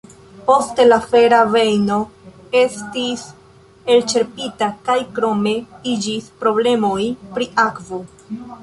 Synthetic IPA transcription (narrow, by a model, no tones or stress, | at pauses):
po̞ste̞lafe̞ɾave̞jno̞ | e̞stis | e̞lt͡ʃe̞ɾpitakajkɾo̞me̞id͡ʒispɾo̞ble̞mo̞jpɾiʔakvo